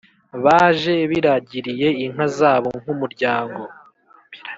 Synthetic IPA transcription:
βaːʒe̞βiɾaɟiɾije̞iŋ̥ɦazaːβo̞ŋ̥umuɾɟaːŋɡo̞

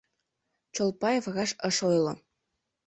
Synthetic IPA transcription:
t͡ɕolˠpɑjefɣɑʃəʃojlo̰

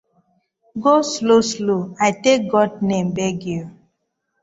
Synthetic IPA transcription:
ɡoslosloajtek̚ɡɔdnẽmbɛɡu

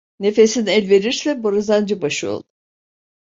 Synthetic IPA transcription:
ne̞fe̞sinɛlʲve̞ɾiɾsɛboɾazand͡ʒɯbaʃɯo̰lˠd̪ʊ

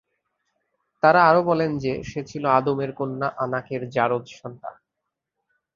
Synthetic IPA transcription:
t̪aɾaaɾobɔlend͡ʑeʃet͡ɕʰiload̪omeɾkonːaʔanakeɾd͡ʑaɾod̪ʃɔnt̪a̰

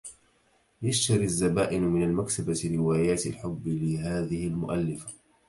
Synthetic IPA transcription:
jaʃt̪ɑɾiazːabaːʔɪnmɪnalmaksabaɾɪwaːjaːt̪ɪlħʊbːɪlɪɦaːðɪhɪlmʊʔalːɪfḁ

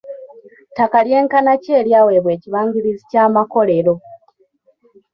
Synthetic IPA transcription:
takalje̞ːŋkanace̞ːljaːwe̞ːβwe̞ːciβaːɲɡiɾizicaːmako̞le̞ɾo̞

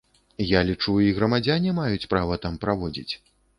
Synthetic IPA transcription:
jalʲit͡ʂuiɣɾɐmad͡zʲanʲimajut͡sʲpɾavɐt̪ampɾavɔd͡zʲḭt͡sʲ

